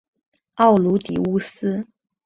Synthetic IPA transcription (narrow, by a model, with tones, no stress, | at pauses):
ɑ˥˩ʊlu˧˥t̪ḭ˨˩u˥sɹ̩˥